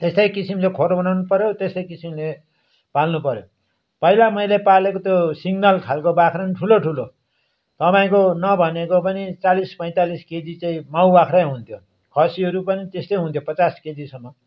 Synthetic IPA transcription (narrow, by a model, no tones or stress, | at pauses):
t̪est̪ʌjkisimlekʰoɾbʌnawnupʌɾjot̪est̪ʌjkisimle | palnupʌɾjo̰ | pʌilamʌjlepalekot̪josiɡnʌlkʰalkobakʰɾʌnʈʰuloʈʰulo | t̪ʌpaĩkonʌbʱʌnekop̬ʌnit͡salispʌj̃t̪alisked͡zit͡saĩmawbakʰɾajɦunt̪ʰjo | kʰʌsiʌɾupʌnit̪est̪ʌjɦũnt̪ʰopʌt͡sasked͡zisʌmːʌ